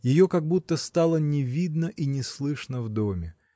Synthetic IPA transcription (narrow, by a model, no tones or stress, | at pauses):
jɪjokaɡ̚but̪ːəst̪alˠənʲɪvʲid̪nəʔinʲɪslˠɨʂnəvd̪omʲɪ